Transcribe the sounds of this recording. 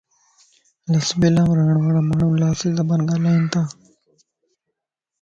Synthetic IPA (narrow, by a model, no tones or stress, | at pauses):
ləsbelãːmɾaːɳʋaːɽaːmaːɳũːlaːsiːzəbanɡaːlaːĩnt̪aː